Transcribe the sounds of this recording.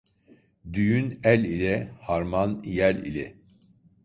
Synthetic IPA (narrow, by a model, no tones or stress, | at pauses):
d̪yjynælʲilʲɛhaɾmanjælʲḭlʲɛ̰